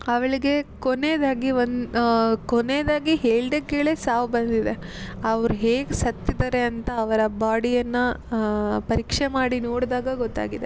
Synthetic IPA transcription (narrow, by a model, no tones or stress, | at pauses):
ɐʋɐɭiɡe̞koneːd̪aːɡiʋonkoneːd̪aːɡiɦeːɭɖekːeːɭesaːʋbɐnd̪id̪e̞ɐʋɐɾuɦeːɡsɐt̪ːid̪ɐɾe̞ɐnt̪ɐːʋɐɾɐbaːɽijɐnːɐ | pɐɾiːkʂemaːɽinoːɽd̪aːɡɐɡɔt̪ːa̰ːɡid̪e